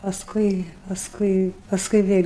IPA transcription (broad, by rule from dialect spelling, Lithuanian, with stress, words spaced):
pɐsˈkʊɪ pɐsˈkʊɪ pɐsˈkʊɪ ˈʋʲeːlʲ